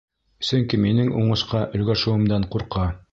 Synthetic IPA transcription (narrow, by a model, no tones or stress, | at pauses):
sɵŋkiminɘŋuɴɤ̆ʃqɑʔɵ̆lɡæʃɘ̆wɘ̆md̪ɑɴquɾqɑ